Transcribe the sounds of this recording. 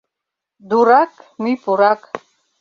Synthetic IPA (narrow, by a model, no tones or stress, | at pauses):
d̪uɾakʰʼmipʼuɾakʰʼ